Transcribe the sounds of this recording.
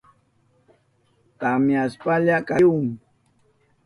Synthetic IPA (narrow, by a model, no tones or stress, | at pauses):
t̪amjaspaʎakaʊŋ